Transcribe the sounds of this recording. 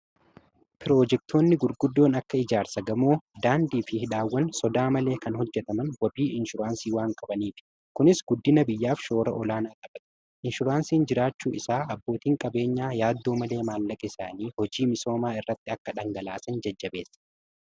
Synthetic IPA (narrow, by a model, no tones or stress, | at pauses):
pɪɾo̞ːd͡ʒɛk̚t̪ʰo̞ːnːɪɡʊɾɡʊd̪ːo̞ːnɐkːɐɪd͡ʒaːɾsɐɡɐmoːd̪aːnd̪iːfɪhɪᶑaːwːɐnsɔd̪aːmɐle̞ːkɐnhɔd͡ʒːɛt̪ɐmɐnwɐbiːʔɪnʃʊɾaːnsiːwaːŋkʼɐbɐniːfɪ̥ | kʊnɪsɡʊd̪ːɪnɐbɪjːaːfʃo̞ːɾɐ̰ʔɔlaːnaːkʼɐɓɐᶑ | ʔɪnʃʊɾaːnsiːnd͡ʒɪɾaːt͡ʃːṵːʔɪsaːɐbːo̞ːt̪iːŋkʼɐbe̞ːɲːaːjaːd̪ːoːmɐle̞ːmaːlːɐkʼɛɪsaːniːhɔd͡ʒiːmɪso̞ːmaːɪrːɐt̪ːɪɐkːɐᶑɐŋɡɐlaːsɐnd͡ʒɐd͡ʒːɐbe̞ːsːɐ̥